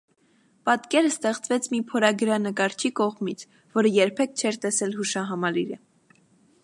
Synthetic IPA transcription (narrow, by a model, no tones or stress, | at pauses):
pɑt̪kɛɾəst̪ɛχt͡svɛt͡sʰmipʰɔɾɑɡəɾɑnəkɑɾt͡ʃʰikɔʁmit͡sʰ | vɔɾəjɛɾpʰɛk̚t͡ʃʰɛɾt̪ɛsɛlɦuʃɑɦɑmɑliɾə